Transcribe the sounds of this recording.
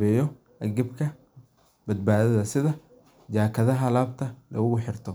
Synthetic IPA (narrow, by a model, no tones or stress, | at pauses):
bɛːjɔ | ʔɐɡɐbkʰɐ | bɐd̪̚baːðɐðɐsɪðɐ | d͡ʒaːkʰɐðɐɦɐlaːbt̪ʰɐlɐ̰ʊɣʊħɪrt̪ʰɔ